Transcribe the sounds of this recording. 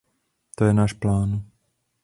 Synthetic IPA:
t̪ojɛnaːʃplaːn

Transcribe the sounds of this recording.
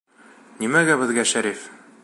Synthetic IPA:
nimæɡæbɘ̆ðɡæʃæɾif

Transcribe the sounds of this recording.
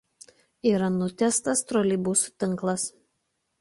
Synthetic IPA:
iːɾɐnʊt̪ʲæst̪ɐst̪ɾɔlʲiːbusʊ̥t̪ʲɪŋˑklˠɐs

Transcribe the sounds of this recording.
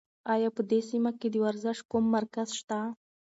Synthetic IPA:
ajapəd̪esimaked̪əwaɾzɪʃ̚kumːaɾkazʃt̪a

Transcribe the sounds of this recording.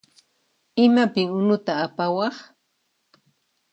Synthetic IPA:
ɪmapɪŋʊnʊt̪aːpawɑχ

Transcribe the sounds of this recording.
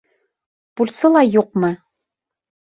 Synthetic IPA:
pulʲsɤlˠɑjuq̚mɤ

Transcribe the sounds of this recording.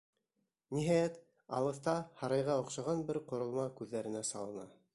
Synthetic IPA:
niɦæjæt̪ | ɑ̰lˠɤ̆θt̪ɑhɑɾɑjʁɑŏqʃɑʁɑnbɘɾqŏɾŏlˠmɑkʉðːæɾɘ̆næsɑlˠɤ̆nɑ̰

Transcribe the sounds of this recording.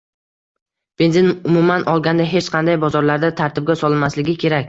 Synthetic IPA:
b̥e̞nzɪnʊmumanʔɒlˠɡʲand̪aɦe̞t͡ʃqʰɑnd̪ajbɒzɒɾlaɾd̪at̪ʰaɾt̪ʰɪb̚ɡʲasɒlɪnmaslɪɡʲɪkʲʰe̞ɾakʲ

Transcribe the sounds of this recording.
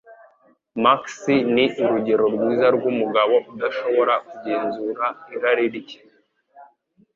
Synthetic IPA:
maksiniiɾuɟe̞ɾo̞ɾɡwiːzaɾɡumuɡaβo̞ud̪aʃo̞βo̞ɾakuɟe̞ːnzuɾaiɾaɾiɾici̥

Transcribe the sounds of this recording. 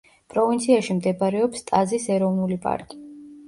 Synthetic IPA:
pʼɾɔvint̪sʰiaʃimd̪ɛbaɾɛɔpst̪ʼazisɛɾɔvnulipʼa̰ɾkʼi̥

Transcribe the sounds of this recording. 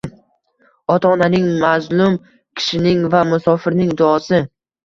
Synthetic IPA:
ɒt̪ʰaːnanɪŋmazlˠʊm | kʲʰɪ̥ʃɪnɪŋvamʊsɒfɪɾnɪŋd̪ʊɒsɪ

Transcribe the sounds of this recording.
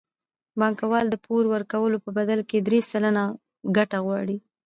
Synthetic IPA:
bɑŋkawɑld̪əpoɾwəɾkawəlopəbad̪alked̪ɾesəlana | ɡaʈaɣwɑɽi

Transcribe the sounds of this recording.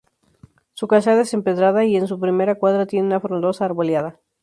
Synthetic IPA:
sukaʃaðese̞mpe̞ðɾaðaie̞ns̬upɾime̞ɾakwaðɾat̪jeneunafɾond̪o̞saːɾβo̞ljaða

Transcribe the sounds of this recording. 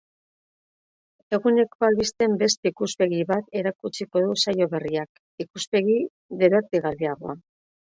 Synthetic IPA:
e̞ɣune̞kbalβist̪e̞mbe̞st̪ikuspe̞ɣiβat̪e̞ɾakut͡siko̞ð̞usajo̞βe̞riak | ikuspe̞ɣi | ðe̞ɾak̚d̪iɣariaɣ̞o̞̰a

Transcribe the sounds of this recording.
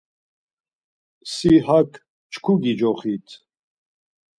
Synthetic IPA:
sihakʰ | t͡ʃʰkʰuɡid͡ʒɔχit̪ʰ

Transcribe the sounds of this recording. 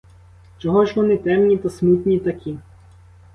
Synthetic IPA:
t͡ʃɔɦɔʒʲʋɔnɪt̪ɛmnʲit̪ɐsmut̪nʲit̪ɐkʰʲi

